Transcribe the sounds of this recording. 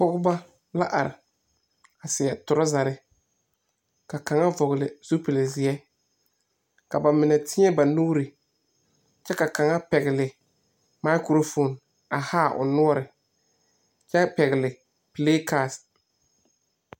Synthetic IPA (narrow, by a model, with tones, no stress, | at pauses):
k͡pɔ˦ɣʊ˦ba˦ | la˦ʔa˨ɾɪ̰˨ | a˨sɪ˨ɛ˨tʊ˨ɾɔ˦za˨ɾɪ˦ | ka˨ka˨ŋa˦vɔ˨ɣɪ˨lɪ˨z̥u˦pɪ˨lɪ˨zɪ˨ɛ˦ | ka˨ba˨mɪ˨nɛ˨tʰɪ˦ɲɛ˦ba˨nuː˦ɾɪ˨ | t͡ʃɛ˦ka˨ka˨ŋa˦pɛ˨ɣɪ˨lɪ˨ | ma˦kɾo˦fo˨n | a˨haː˦˨ʔʊ̰˨nʊ˦ɔ˦ɾɪ˨ | t͡ʃɛ˦pɛ˨ɣɪ˨lɪ˨ | pɪ˨leː˦ka˨s